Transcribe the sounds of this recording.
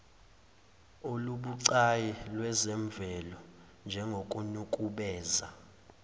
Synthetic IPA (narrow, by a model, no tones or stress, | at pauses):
oluɓuǀajɛlwɛzɛɱb̪vʱɛlɔ | nd͡ʒʱɛŋɡʱokʼunukʼuɓɛːza